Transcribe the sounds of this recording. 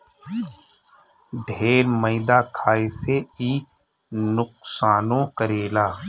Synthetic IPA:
ɖʱeːɾməɪd̪akʰaːeseiː | nʊq̚saːnõkəɾeːlaː

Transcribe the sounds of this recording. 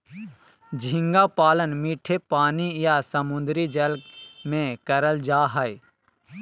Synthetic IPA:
d͡ʒʱɪ̃ŋɡapaːlənmiːʈʰepaːnijasəmʊnd̪ɾid͡ʒəlkmẽkəɾəld͡ʒaːɦəi

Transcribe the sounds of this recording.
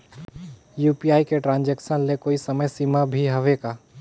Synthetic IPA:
juːpiaːikeʈɾãːnd͡ʒɛkʃənlekoːisɐməjsiːmabʱiɦɐʋeɡaː

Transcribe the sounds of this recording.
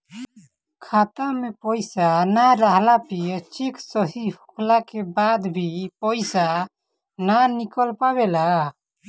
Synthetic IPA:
kʰat̪amepəɪsanaɾaɦlapit͡ʃikʰsəɦihukʰlakebad̪bʱipəɪsa | nanikəlpabela

